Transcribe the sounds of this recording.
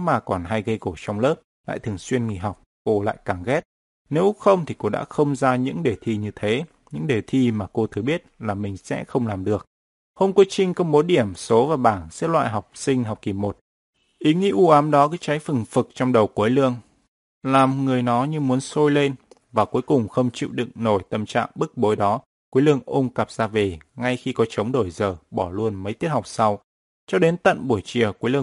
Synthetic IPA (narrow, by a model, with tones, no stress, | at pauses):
maː˨˩kɔ˨˩nɦa˧jɣə˧jko˧˩t͡ɕɔ˧wŋ͡mləː˦˥p̚ | la̰ː˧˨jt̪ʰɨ˨˩əŋswi˧ənŋi˨˧˩ɦa˨˩wk͡p̚ko˧la̰ː˧˨jkaː˧˩ŋɣɛ˦˥t̚ | ne˨˦wxə˧wŋ͡mt̪ʰi˨˩ko˧ɗa̰ː˧˥xə˧wŋ͡mzaː˧ɲɨ̰˧˥ŋɗe˨˩t̪ʰi˧ɲɨ˧t̪ʰe˨˦ | ɲɨ̰˧˥ŋɗe˨˩t̪ʰi˧maː˨˩ko˧t̪ʰɨ˨˩ɓi˦˥ət̚laː˨˩mï˨˩ŋ̟sɛ̰˧˥xə˧wŋ͡mlaː˨˩mɗɨ˨˩ək̚ | ho˧mku˨˦ət͡ɕï˧ŋ̟kə˧wŋ͡mɓo˨˦ɗi˧˩əmso˨˦vaː˨˩ɓaː˧˩nsɛ˦˥t̚lwa̰ː˧˨jɦa˨˩wk͡p̚sï˧ŋ̟ɦa˨˩wk͡p̚ki˨˩mo˨˩t̚ | ʔi˨˦ŋḭ˧˥ʔu˧ʔaː˨˦mɗɔ˨˦kaː˨˦t͡ɕa˨˦jfə˨˩ŋfɨ˨˩k̚t͡ɕɔ˧ŋ͡mɗə˨˩wku˨˦jlɨ̰˧˨əŋ | laː˨˩mŋɨ˨˩əjnɔ˨˦ɲɨ˧mu˨˦ənso˧jle˧nvaː˨˩ku˨˦əjkʊ˨˩ŋ͡mxə˧wŋ͡mt͡ɕḭ˧˨wɗɨ̰˧˨ŋno˧˩jt̪ə˧˩mt͡ɕa̰ː˧˨ŋɓɨ˦˥k̚ɓo˨˦jɗɔ˨˦ | kwlɨ̰˧əŋʔə˧ŋ͡mkə˨˩p̚z̥aː˧ve˨˩ŋa˧jxi˧kɔ˨˦t͡ɕə˨˦wŋ͡mɗo˧˩jzəː˨˩ɓɔ˧˩lu˧ənmə˨˦jt̪i˦˥ət̚ha˨˩wk͡p̚sa˧w | t͡ɕɔ˧ɗe˨˦nt̪ə̰˧˨nɓu˧˩əjt͡ɕi˨˩əku˨˦jlɨ̰˧ə˧